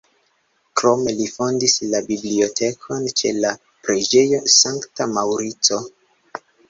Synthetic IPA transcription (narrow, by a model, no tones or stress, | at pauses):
kɾo̞me̞lifo̞ndislabiblio̞tʰe̞kʰo̞nt͡ʃe̞̰la | pɾe̞d͡ʒe̞jo̞saŋktamawɾit͡so̞